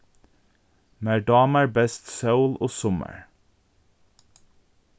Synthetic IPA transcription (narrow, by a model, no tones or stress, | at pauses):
mæːɖɑːməɹbɛst̪sɑʊloːsɔmə̰ɹ